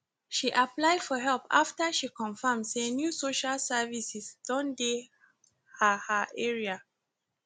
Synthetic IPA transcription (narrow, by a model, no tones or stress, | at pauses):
ʃiʔaplaɪdfɔɦɛlpa̰ftəʃikʰɔ̃nfamsenjusoʃalsɛvisisd̥ɔ̃nde | hahaʔɛɹia